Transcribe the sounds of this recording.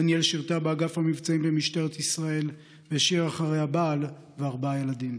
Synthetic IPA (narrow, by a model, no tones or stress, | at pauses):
anjelʃiʁt̪abeaɡafhamivt͡saimbemiʃt̪eʁet̪isʁae̞l | veʃiʁaχaʁe̞jabaːl | veaʁbaje̞lad̪im